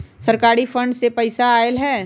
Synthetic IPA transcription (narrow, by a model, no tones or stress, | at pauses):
səɾkaːɾifʰə̃ɳɖsepɐɪsaaːelɦɛː